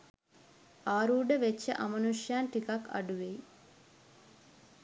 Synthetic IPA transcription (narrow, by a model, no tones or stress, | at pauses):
aːɾuːɖəʋet͡ʃːə̰ʔamənuʂjaːnʈikakːɐ̰ɖuʋeji